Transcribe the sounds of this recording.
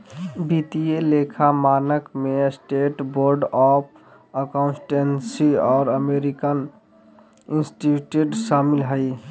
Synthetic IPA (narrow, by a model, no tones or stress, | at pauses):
bit̪ielekʰamanəkmesʈeʈboɾɖɔpʰ | əkaʊ̃nsʈensiɔːɾəmeɾikən | insʈiʈjuʈsamilɦəɪ